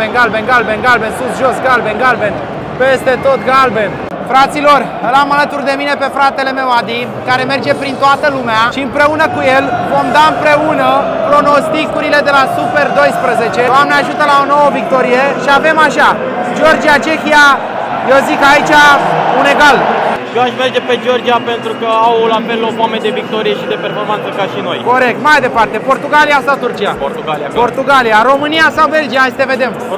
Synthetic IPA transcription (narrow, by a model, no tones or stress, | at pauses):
enɡalbenɡalbe̞nɡalbe̞nsusʒo̞sɡalbe̞nɡalbe̞n | pe̞st̪e̞t̪o̞t̪ɡalbe̞n | fɾat̪silo̞r | ɨlamalət̪urd̪e̞mine̞pe̞fɾat̪e̞le̞me̞wad̪i | kaɾe̞me̞rd͡ʒe̞pɾint̪oat̪əlumeaʃiɨmpɾe̞unəkujelvo̞md̪aɨmpɾe̞unəpɾo̞no̞st̪ikuɾile̞d̪e̞lasupe̞rd̪o̞jspɾəze̞t͡ʃe̞amneaʒut̪əlao̞no̞wəvik̚t̪o̞ɾijeʃiave̞maʃa | d͡ʒo̞rd͡ʒijat͡ʃe̞xija | jewzikait͡ʃaune̞ɡalʃjoaʃmerd͡ʒe̞pe̞d͡ʒo̞rd͡ʒijape̞nt̪ɾukəawlafe̞lːopamed̪e̞vik̚t̪o̞ɾije̞ʃid̪e̞perfo̞rmant̪səkaʃino̞̰jko̞ɾe̞k̚t̪majd̪e̞part̪e̞po̞rt̪uɡaliasat̪urt͡ʃia̰port̪uɡalia̰ppo̞rt̪uɡalijaɾo̞mɨnijasawbe̞ld͡ʒijast̪eve̞d̪e̞m